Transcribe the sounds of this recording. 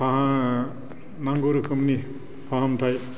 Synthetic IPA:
pʰaɦã | naŋɡoɾkʰɯmni | pʰaɦamtʰaj

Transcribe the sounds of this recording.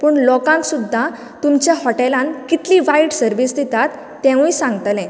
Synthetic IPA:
puːɳlɔkãnt̪sud̪ʱːa | t̪umt͡ɕjaɦɔʈelãnkit̪liʋaiʈsəɾʋisd̪et̪at̪ːɛ̃ʋĩsãŋɡt̪lɛ̃

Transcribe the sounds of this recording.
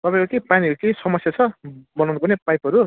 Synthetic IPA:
t̪ʌpãj̃kukepaniʌɾukejsʌmʌsjat͡sʰʌbʌnawnupʌrnepajpʌɾu

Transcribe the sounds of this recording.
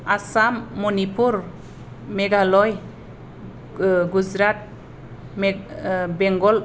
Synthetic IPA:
asamːunipʰuɾ | meɡalɔj | ɡud͡ʒɾat̚ | m | bɛŋɡɔl

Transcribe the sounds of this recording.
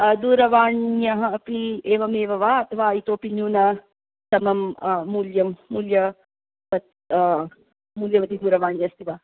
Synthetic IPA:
d̪uːɾɐʋaːɳjɐɦɐɐpieːʋɐmeːʋɐʋaːɐt̪ʰɐʋaːit̪oːpinjuːnɐ | t̪ɐmɐmːuːljɐmːuːljɐ | pɐt̪ | muːljɐʋɐt̪id̪uːɾɐʋaːɳjɐst̪iʋaː

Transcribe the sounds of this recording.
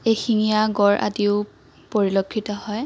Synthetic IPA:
exiŋijaɡɔɹʔa̰diʊ | poɹilokʰːitɔhɔj

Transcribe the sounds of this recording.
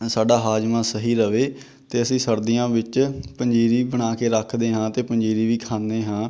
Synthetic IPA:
saːɖaːɦaːd͡ʒmãːsəɦiːɾəʋeː | t̪eːəsĩːsəɾd̪ijãːʋɪt͡ʃpəɲd͡ʒiːɾiːbəɽ̃aːkeːɾəkʰd̪eːɦãːt̪eːpəɲd͡ʒiːɾiːʋiːkʰãːnd̪eːɦãː

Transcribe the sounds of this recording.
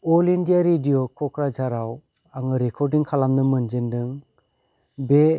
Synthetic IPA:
ɔlindijaɾidiokʰɔkʰɾazaɾaw | aŋɯɾekʰɔɾdiŋkʰalamnɯmɯnd͡ʒendɯŋ | be

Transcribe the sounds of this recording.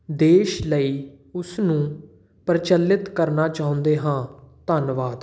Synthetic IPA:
d̪eːʃləiː | ʊsnũː | pɾt͡ʃəlːɪt̪kəɾnaːt͡ʃaːɦʊ̃nd̪eːɦãːt̪ənʋaːd̪

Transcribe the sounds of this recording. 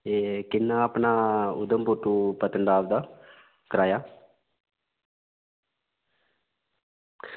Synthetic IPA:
ekɪnːaːəpnaːʊd̪əmpuʈːuːpət̪ənd̪aːʋd̪aː | kəɾaːjaː

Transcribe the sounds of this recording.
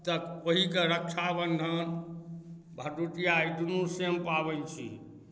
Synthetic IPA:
t̪əkoɦikeɾək̚t͡ʃʰabənd̪ʱən | bʱəʈuʈijaiʈunusempabɛnt͡ʃʰḭ

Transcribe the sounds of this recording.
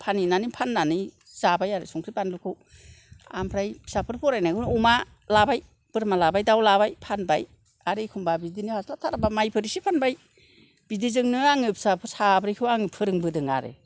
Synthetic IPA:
pʰaninanipʰanːani | zabajaɾɯ̰sɔŋkʰɾipanlukʰɯw | a̰mpʰɾajpʰsapʰɯɾpʰɔɾajnaɡɯnuma | labaj | b̥ɯɾmalabajdawlaβajpʰanbaj | aɾikʰumbabidinihaslatʰaɾabamajpʰɯɾisipʰanbaj | b̥idizɯŋnɯaŋɯpʰi̥sapʰɯɾsabʰɾajkʰɯwaŋɯpʰɯɾɯŋbɯdɯŋa̰ɾḛ

